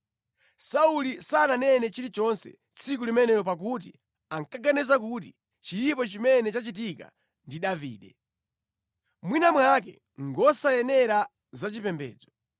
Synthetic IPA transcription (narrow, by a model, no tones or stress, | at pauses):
saulisananɛnɛt͡ʃiɾit͡ʃɔnsɛ̰ | t͡sʰik̬ulimɛnɛɾɔp̬ak̬ut̬i | aŋkaɡanɛzak̬ut̬i | t͡ʃilipɔt͡ʃimɛnɛt͡ʃat͡ʃit̬ika̰ | ndiɗavḭːɗɛ | mwinamwak̬ɛ̰ | ŋɡɔsajɛnɛɾa | zat͡ʃipɛmbɛ̰ːd͡zɔ